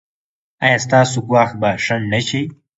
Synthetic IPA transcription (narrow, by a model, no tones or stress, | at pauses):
a̰jast̪aːsukwaːx̚baʂɐnnɐt͡ɕi